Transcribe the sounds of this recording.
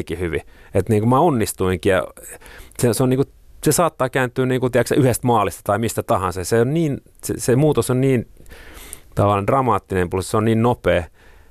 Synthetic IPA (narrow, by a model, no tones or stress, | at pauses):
ikihyʋḭet̪niːŋkumæonːist̪uiŋkijɑ̰ | seseonniːŋku | sesɑːt̪ːɑːkæːnt̪ːˑyːniːŋkut̪iæksæyhest̪mɑːlist̪ɑt̪ɑimist̪æt̪ɑhɑnsɑseonniːn | sḛsemuːt̪osonniːn | t̪ɑʋɑlendrɑmɑːt̪ːinempulseonniːnnopeː